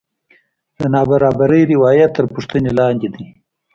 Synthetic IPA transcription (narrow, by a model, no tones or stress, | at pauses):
d̪ənɑbaɾɑbaɾəjɾɪwɑːjat̪ːəɾpuʂt̪ənelɑːnd̪ed̪i